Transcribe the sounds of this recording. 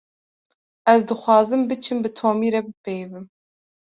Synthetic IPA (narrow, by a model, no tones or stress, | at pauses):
ɛzd̪ɨxʷɑːzɨmbɨt͡ʃʰɨmbɨt̪ʰoːmiːɾɛbɨpejvɨm